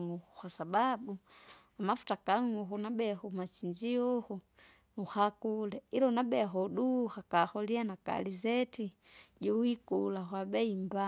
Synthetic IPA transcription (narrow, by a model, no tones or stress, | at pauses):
ŋuxuxasababu | amafu̥takaŋuxunabɛxumat͡ʃiɲd͡ʒiɔxu | uxakulɛiɾɔnabɛxɔɗuxakaxɔlianaka̰lizɛti | ɟiwikulaxwabɛimba